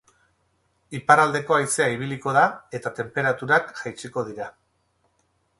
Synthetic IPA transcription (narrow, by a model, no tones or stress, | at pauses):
ipaɾald̪e̞ko̞ajt͡se̞aiβ̞iliko̞ðae̞t̪at̪e̞mpe̞ɾat̪uɾakʝajt͡siko̞ð̞iɾa